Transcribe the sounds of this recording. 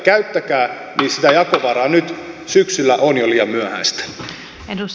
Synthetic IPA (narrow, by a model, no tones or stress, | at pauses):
kæyt̪ːækæː | niːsit̪æjɑkoʋɑɾɑːnyt̪syksylːæʔonjoliːɑmyøhæ̰nst̪æ̥